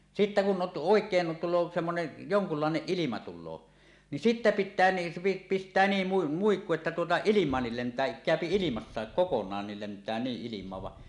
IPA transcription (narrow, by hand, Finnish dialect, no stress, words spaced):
sitːæ kun ʔot oˑekˑeːn tulˑoː semːonen joŋkulːɑˑeneʔ ʔilimɑ tulˑoː ni sitːæ pitːæː ni pistˑæː niːm mu muikːu etːæ tuotɑ ilimˑɑːnːil lentˑæː kæˑøpi ilimɑsːɑek kokonˑɑːnːil lentæː niʔ ʔilimˑɑːʋ ʋɑ